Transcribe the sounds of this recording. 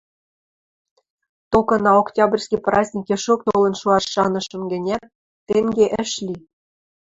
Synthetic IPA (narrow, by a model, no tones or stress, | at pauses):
t̪okɤ̆nɑoktʲɑbrʲsʲkʲiprɑzʲnʲikeʃok̚t̪olɤ̆nʃuɑʃːɑnɤ̆ʃɤ̆mɡɘ̆nʲæt̪̚ː | eŋɡeʔɘ̆ʃlʲi